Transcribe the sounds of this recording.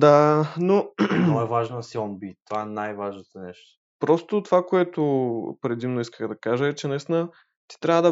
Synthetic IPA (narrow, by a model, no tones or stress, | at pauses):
d̪anoɔɛvaʒnəsiɔnbit̪ːovaɛnajvaʒnot̪onɛʃt̪o̥ | pɾɔst̪ot̪ovakoɛt̪ʊpɾɛd̪imnoiskəxd̪ɐkaʒəɛt͡ʃɛnɛsnə | t̪i̥t̪ɾʲavəd̪ɐ